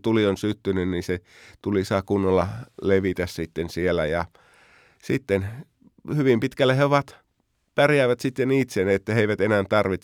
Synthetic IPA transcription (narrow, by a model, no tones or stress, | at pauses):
t̪ulionsyt̪ːynynniset̪ulisɑkunːolːɑleʋit̪æssit̪ːensielˑæjɑ | sit̪ːen | hyʋimpit̪kælːæheoʋɑt̪ | pærjæˑːʋæt̪sit̪ːenit̪senet̪ːæheiʋæt̪enænt̪ɑrʋit̪